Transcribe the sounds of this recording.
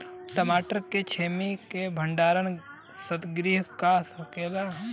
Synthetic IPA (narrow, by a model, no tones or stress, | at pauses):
ʈəmaːʈəɾkːet͡ʃʰeːmikebʱə̃ɳɖaːɾən | sət̪ɡɾiːɦkasəɾkeːla